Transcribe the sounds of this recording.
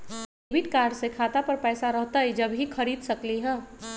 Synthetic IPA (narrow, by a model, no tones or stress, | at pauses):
eːbɪʈkaːɾɖsekʰaːt̪apɐɾpɛːsaɾɐɦt̪aɦɛd͡ʒɐbɦixɐɾiːd̪sɐkliɦɛ̃ː